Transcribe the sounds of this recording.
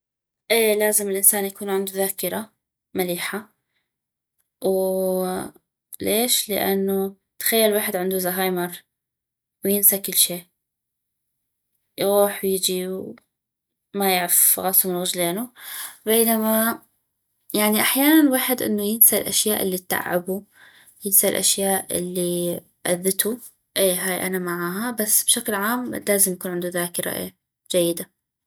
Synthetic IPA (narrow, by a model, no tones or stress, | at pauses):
ʔeːlaːzɪmɪlʔɪnsaːnjakuːnʕɪnd̪uðaːkɪɾˤa | maliːħa | w | leːʃlɪ̰ʔa̰nːo | t̪ḁxajːalwaːħɪd̪ʕɪnd̪uzaɦaːjmɑɾˤ | wjɪnsakɪlːʃiːʔ | jɣuːħwjɪd͡ʒiw | majɪʕafɣɑsˤumɪnɣɪd͡ʒleːnubeːnama | jaʕniʔaħjaːnanwaːħɪd̪ʔɪ̰nːujɪnsalʔa̰ʃjaːʔɪlːit̪ːa̰ʕːabu | jɪnsalʔa̰ʃjaːʔɪ̰lːi | ʔa̰ðːɪt̪u | ʔeːɦaːjʔanamaʕaːɦabasːb̥ʃaklʕaːmlaːzɪmjakuːnʕɪnd̪uðaːkɾˤɑ̰ʔja | d͡ʒajːɪd̪a